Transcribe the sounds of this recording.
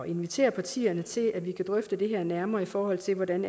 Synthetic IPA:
ɒʔe̝nʋit͡sʰe̝̰ːɐpʰɑ̈t͡sʰḭːɐnət͡sʰe̝læʋikʰæd̥ʁœfd̥əd̥e̝ɦɛɐnæɐmɐːifɒːhɒ̽l̰t͡sʰe̝lʋɒdæn

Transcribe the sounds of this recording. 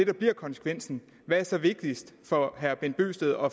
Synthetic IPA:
e̝d̥ɑ̈b̥liɐ̰kʰɒ̽nsə̥kʰʋen̰sn̩ | ʋææɐsɒ̽ʋe̝ɡ̥̚d̥isd̥fɒ̽ɦæɐb̥enb̥ø̰ːsd̥eð̩ˠɒ̽

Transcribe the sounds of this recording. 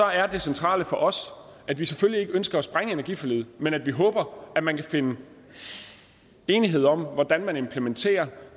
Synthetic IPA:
ɒ̽æɐd̥e̝sent͡sʰʁɑ̰̈ːləfɒ̽ʔɒ̽s | ʔæd̥ʋisefølie̝ɡ̥əønsɡ̥ɐːsb̥ʁaŋəe̝nɐɡḭfɒlyːð̩ˠmenæd̥ʋiɦɔ̽ːb̥ɐæmænkʰæfe̝nə | e̝ːniɦe̝ð̞̰ˠɒ̽m̰ʋɒd̥ænmæne̝mpʰlement͡sʰe̝̰ːɐ

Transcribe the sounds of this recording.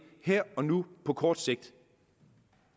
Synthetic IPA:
heɐ̰ɒ̽nupʰɒ̽kʰɒːd̥se̝ɡ̥̚d̥

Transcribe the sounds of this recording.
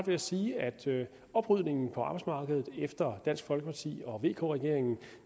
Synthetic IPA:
ʋe̝jæsiːæd̥ | ɒ̽b̥ʁyð̞̰ˠne̝ŋn̩pʰɒ̽ɑ̈b̥ɑ̈ɪsmɑ̈ːɡ̥əð̞̩ˠefd̥ɐd̥æn̰sɡ̥fɒ̽lɡ̥əpʰɑ̈t͡sʰḭːɒ̽ʋe̝̰ːkʰo̝̰ːʁɛɡ̥e̝ɐ̰eŋn̩

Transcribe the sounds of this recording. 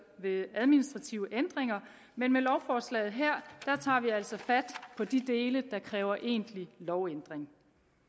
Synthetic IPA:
ʋe̝æð̞ˠminisd̥ʁɑ̈t͡sʰiʊəʔend̥ʁeŋɐ | menmelɒʊfɒːslɛ̰ːɪð̩ˠɦeɐ̰d̥ɑ̈t͡sʰɑ̰̈ːʋiæl̰sɒ̽fæd̥pʰɒ̽d̥id̥e̝ːləd̥ɑ̈kʰʁɛːʊɐʔe̝̰ːnd̥lilɒʊend̥ʁeŋ

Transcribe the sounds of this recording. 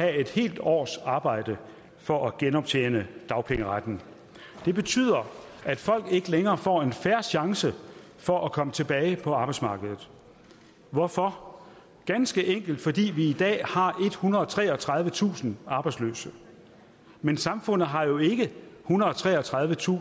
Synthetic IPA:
hæe̝d̥he̝̰ːld̥ɒ̰ːsɑ̈ːb̥ɑ̈ɪ̰d̥ə | fɒ̽ʔæɡ̥enɒ̽b̥̚t͡sʰḛːnəd̥ɑ̈ʊpʰeŋəʁad̥n̩ | d̥e̝b̥e̝t͡sʰy̰ːð̰ˠɐ | æd̥fɒ̽l̰ɡ̥e̝ɡ̥əleŋɐːfɒ̰ːe̝nfæɐɕɑ̈ŋsə | fɒ̽ʔækʰɒ̽mət͡sʰe̝b̥ɛːɪpʰɒ̽ɑ̈ːb̥ɑ̈ɪ̥smɑ̈ːɡ̥əð̞ˠð̩ˠ | ʋɒfɒ̽ | ɡ̥ænsɡ̥əʔeŋ̰ɡ̥l̩d̥fɒ̽d̥ḭːʋiid̥ɛ̰ːhɑ̈ʔe̝d̥hunɐɒt͡sʰʁɛ̰ːɒt͡sʰʁɑ̈ð̞ˠʋət͡sʰṵːsn̩ʔɑ̈b̥ɑ̈ɪ̥slø̰ːsə | mensɑ̈mfɔ̽n̰ð̩ˠɦɑ̈jo̝e̝ɡ̥əhunʁɐð̩ˠɒt͡sʰʁɛ̰ːɒt͡sʰʁɑ̈ðˠʋət͡sʰṵː

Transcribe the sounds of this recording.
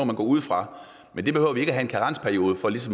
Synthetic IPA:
ð̰ˠmænɡɒ̰ːuð̞̰ˠfʁɑ̈ | mend̥e̝behøʊ̰ɐʋie̝ɡ̥əæɦæe̝nkʰæʁɑ̈n̰spʰæɐjo̝ːð̞ˠəfɒ̽lis̬ɒ̽m

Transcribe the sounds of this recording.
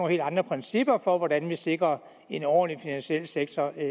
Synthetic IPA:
he̝ːld̥ɑ̈nd̥ʁɐpʰʁɛnsib̥ɐfɒ̽ʋɒd̥ænʋise̝ɡ̥ʁɐ | e̝nɒ̰ːnlifinænɕiel̰seɡ̥̚t͡sʰɒ

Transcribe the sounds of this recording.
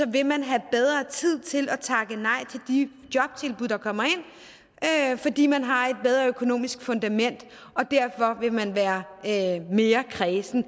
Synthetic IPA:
sɒ̽ʋe̝mænɦæb̥eð̞ˠʁɐt͡sʰið̞̰ˠt͡sʰe̝lɒt͡sʰɑ̈ɡ̥ənɑ̈ɪ̰t͡sʰe̝ld̥i | d̥jɒ̽b̥̚t͡sʰe̝lb̥uð̥ˠɑkʰɒ̽m̰ɐe̝n̰ | øfɒ̽d̥ḭːmænɦɑ̈e̝d̥̚b̥eð̞ˠʁɐøkʰo̝no̝̰ːmisɡ̥fɔ̽nd̥æmen̰d̥ | ɒ̽d̥æɐfɒ̽ʋe̝mænʋæːɐ | me̝ːɐkʰʁɛːsn̩

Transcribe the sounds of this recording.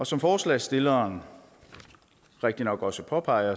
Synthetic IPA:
ɒ̽sɒ̽mfɒːslɛːsd̥e̝lɐːn | ʁeɡ̥̚d̥inɒ̽ɡ̥ɒ̽səpʰɒ̽pʰɑ̈ɪɐ

